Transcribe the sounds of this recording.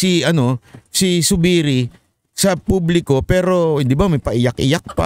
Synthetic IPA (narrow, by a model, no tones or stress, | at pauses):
siʔɐno̞sisʊbiːɾi | sɐpublɪko̞pɛːɾo̞d̪ɪbamɐjpɐʔɪjakʔɪ̰jak̚pa̰